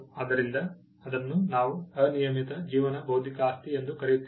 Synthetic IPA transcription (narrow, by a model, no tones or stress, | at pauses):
ɐd̪ɐɾind̪ɐ | ɐd̪ɐnːunaːʋuɐnijɐmit̪ɐd͡ʒiːʋɐnɐbɐwd̪ʱikɐːst̪iend̪ukɐɾejut̪ː